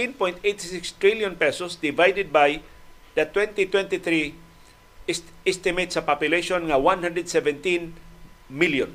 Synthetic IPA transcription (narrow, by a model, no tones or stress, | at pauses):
t̪ĩnpɔ̃j̃nt̪ejt̪sɪkst̪ɹiljɔ̃npɛsɔsd̪ɪvajd̪ɛd̪̚baj | d̪ɐt̪wɛ̃nt̪it̪wɛ̃nt̪iθɹi | ɛst̪ɪmejt̪sapapjʊleʃɔ̃nŋawãnhãnd̪ɾɛd̪sɛvɛ̃nt̪ĩnmiljɔ̃n